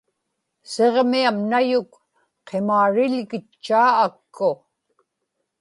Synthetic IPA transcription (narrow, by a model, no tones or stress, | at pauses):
seʁmiamnajʊk | qʰemaːɻɪlɣɪt͡ʃːaːkːʊ